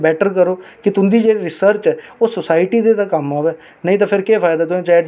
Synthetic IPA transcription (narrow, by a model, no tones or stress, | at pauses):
bɛːʈəɾkəɾoːkɪt̪ʊnd̪iːd͡ʒeːɽiːɾɪsəɾt͡ʃɛːoːsʊsaːɪʈiːd̪eːt̪ãːkəmaːʋɛː | nəĩːt̪ãːpʰɪɾkeːpʰaːjd̪aːt̪̬ʊẽt͡ʃaːɖ